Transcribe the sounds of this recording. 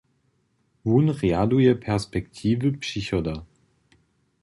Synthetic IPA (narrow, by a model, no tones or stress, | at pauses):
vunʁeaduəpʰɛɐspɛktʰiːvəpsiçɔda